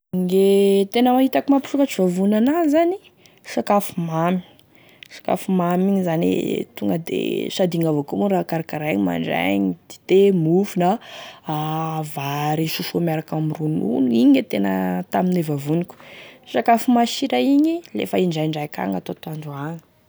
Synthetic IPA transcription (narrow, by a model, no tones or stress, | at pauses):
ŋɡet̪enəmaɦit̪akumapi̥ʃukat͡ʃivavunanazani | ʃakafumami̥ | ʃḁka̰fumamiɲizanḭt̪uŋɡəd̪ḛsad̪iŋavokumuɾakaɾakaɾaɲima̰ɳɖ͡ʐa̰ɲid̪̥i̥t̪emufunaavaɾiʃusumiaɾakamiɾunṵnuiɲet̪enə̰t̪aminevavuniku̥ʃakafumaʃiɾajiɲilḛfaiɳɖ͡ʐaɳɖ͡ʐajka̰ŋat̪ot̪and̪uaŋi̥